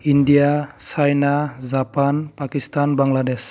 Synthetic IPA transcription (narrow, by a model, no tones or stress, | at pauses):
indijasajnazapanpakistanbaŋlades